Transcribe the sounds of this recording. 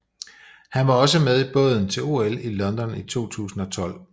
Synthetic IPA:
hænʋɑ̈ɒ̽s̬əmeð̞ˠib̥ɔ̽ð̰ˠn̩t͡sʰe̝lo̝elilɒ̽nd̥ɒ̽nit͡sʰo̝̰ːt͡sʰṵːsn̩ɒ̽t͡sʰɒ̽l̰

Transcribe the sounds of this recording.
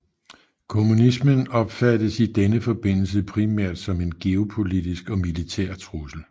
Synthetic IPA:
kʰo̝munismənɒ̽b̥fædəsid̥enəfɒ̽b̥e̝n̰l̩s̬əpʰʁimæɐ̰d̥sɒ̽me̝nɡ̥e̝o̝pʰo̝lid̥isɡ̥ɒ̽milit͡sʰæːɐ̰t͡sʰʁusl̩

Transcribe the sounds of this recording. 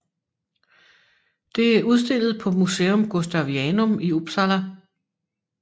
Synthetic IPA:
d̥e̝æɐʔuð̞ˠs̬d̥e̝l̰ð̞̩ˠpʰɒ̽museːɔmɡ̥o̝sd̥æʊʋiɛnɔmiub̥sɑlæ

